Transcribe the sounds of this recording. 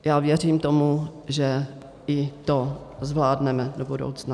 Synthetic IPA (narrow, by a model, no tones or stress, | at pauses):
jaːvjɛr̝iːmt̪o̞muʒɛ | ɪt̪ozvlaːdnɛmɛdobudo̰wt͡sna